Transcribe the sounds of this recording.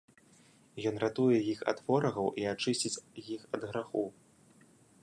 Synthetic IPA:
jɔn̪rat̪ujɛjixa̰t̪vɔɾɐɣɐwʔiat͡ʂɨsʲt͡sʲit͡sʲjixɐd̪ɣɾaxu

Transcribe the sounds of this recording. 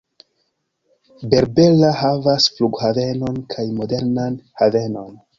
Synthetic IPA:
be̞ɾbe̞lahavasfluɡhave̞no̞nkʰajmo̞de̞ɾnanhave̞no̞n

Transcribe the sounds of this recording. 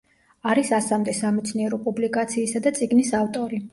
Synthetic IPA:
aɾisasamd̪ɛsamɛt̪sʰniɛɾɔpʼublikʼat̪sʰiːsad̪at̪sʼiɡnisaft̪ʼɔɾi

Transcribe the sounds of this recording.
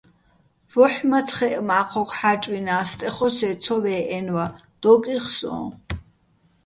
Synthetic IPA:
vɔħmat͡sʰχɛʔmaːqʰɔqʰħat͡ʃʼwinaːst̪ʼɛχɔsɛt̪sʰɔvɛːʔɛnwa | d̪̥ɔkʼiχsɔ̰̃ː

